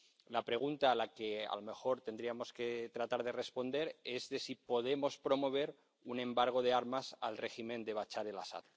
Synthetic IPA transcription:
lapɾe̞ɣ̞unt̪aːlake̞a̰lome̞xo̞ɾt̪end̪ɾiamo̞ske̞t̪ɾat̪aɾðe̞re̞spo̞nd̪e̞ɾe̞zðe̞sipo̞ð̞e̞mo̞spɾo̞mo̞β̞e̞ɾ | unẽ̞mbaɾɣ̞o̞ð̞eaɾmasalre̞ximẽnd̪e̞β̞at͡ʃaɾe̞la̰sa̰ð

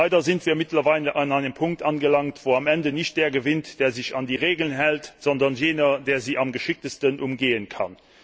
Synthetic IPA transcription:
aɪdɐzɪntv̥iːɐmɪtlɐvaɪləʔɑnaɪnəmpʰʊŋk̚tʔɑnɡəlɑŋtv̥oːɑmɛndənɪçt̚d̥eːɐɡəvɪntd̥eːɐzɪçɑndiːʁeːɡəl̩ənɦɛltz̥ɔndɐnjeːnɐdeːɐziːʔɑmɡəʃɪk̚təstənʔʊmɡeːənkʰɑ̰n

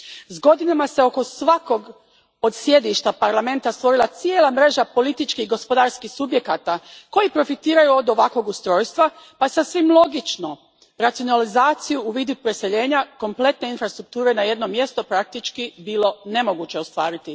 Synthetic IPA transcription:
zɡo̞d̪inamase̞o̞ko̞sʋako̞ɡ | o̞d̪sje̞d̪iʃt̪apaɾlˠame̞nt̪ast̪ʋo̞ɾilˠat̪sijelˠamɾe̞ʒapo̞lit̪it͡ʃkiɡo̞spo̞d̪aɾskixsubje̞kaːt̪ako̞jipɾo̞fit̪iːɾajuo̞d̪o̞ʋakʋo̞ɡust̪ɾo̞ːjst̪ʋapajesasʋimlˠo̞ɡit͡ʃnu | ɾat̪sijonalizaːt̪sijuːʋiːd̪upɾese̞ʎe̞ːɲako̞mple̞t̪ne̞infɾast̪ɾuk̚t̪uːɾe̞naje̞d̪no̞mje̞st̪o̞pɾak̚t̪it͡ʃkibiːlˠo̞ne̞mo̞ɡut͡ɕe̞o̞st̪ʋa̰ːɾit̪i

